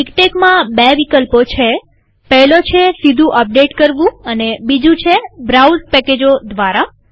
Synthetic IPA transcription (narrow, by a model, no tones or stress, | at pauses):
ikʈekmãbeʋikəlpot͡ʃʰe | pɛɦlot͡ʃʰesid̪ʱũʔəp̚ɖeʈkəɾʋũənebid͡ʒũt͡ʃʰebɾawzpɛked͡ʒod̪ʋaɾa